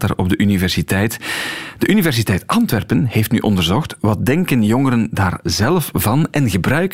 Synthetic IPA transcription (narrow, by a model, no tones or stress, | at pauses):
taɾɔb̚dəʔynivɛrsitɛjtd̥əʔynivɛrs̬itɛjtɑntʋɛrpənheːftny̰ʔɔ̰ndərzɔxtʋɑt̚dɛŋkənjɔŋəɾəndaːrzɛlfvɑnɛnɣəbrœɥk